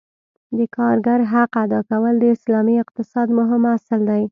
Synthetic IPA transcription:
d̪əkɑɾɡaɾɦaqad̪ɑkawəld̪əɪslɑmiɪq̚t̪ɪsɑd̪mʊɦɪmasɪld̪aj

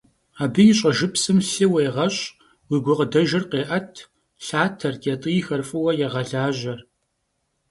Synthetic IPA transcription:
aːbɨjɪɕʼɐʒɨpsɨmɬɨweːʁɐɕʼ | wiːɡʷʊqədɐʒɐrqeːʔɐtʰ | ɬaːtʰɐrtʰʼetʼɨjɪxɐrfʼɨwɐjɛʁɐɮaːʑɐr

